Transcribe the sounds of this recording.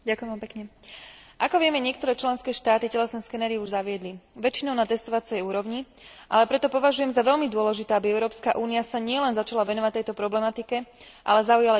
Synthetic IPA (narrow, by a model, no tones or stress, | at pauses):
ɟakʊjɛmʋampɛkɲɛ | ʔakɔʋɪɛmɛɲɪɛkt̪ɔɾɛːt͡ʃlɛnskɛːʃt̪aːt̪icɛlɛsnɛskɛnɛːɾiuʒzaʋɪɛd̪liʋɛt͡ʃinɔʊnat̪ɛst̪ɔʋat͡sɛjuːɾɔʊɲi | ʔa̰lɛpɾɛt̪ɔpɔʋaʒujɛmzaʋɛʎmid̪ʊɔlɛʒit̪ɛːabiɛʊɾɔːpskaʔuːniasaɲɪɛlɛnzat͡ʃalaʋɛnɔʋac̚t̪ɛjt̪ɔpɾɔblɛmat̪ikɛʔa̰lɛzaujala